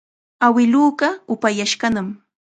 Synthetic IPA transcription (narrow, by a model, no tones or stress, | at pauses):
awɪluːɢɑʊpajaʃɢɑnam